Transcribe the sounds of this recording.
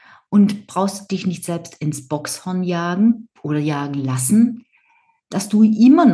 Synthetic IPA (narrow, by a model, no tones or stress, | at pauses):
ʔʊntb̥ʁaʊxstud̥ɪçnɪçtz̥ɛlpstɪnsb̥ɔkshɔɐnjaːɡŋ̩ʔoːɾɐjaːɡŋ̩lasn̩ | d̥asd̥uːʔɪmɐn